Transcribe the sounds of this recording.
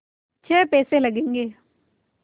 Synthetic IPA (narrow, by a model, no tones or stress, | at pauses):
t͡ʃʰeːpɛːseːləɡẽːŋɡeː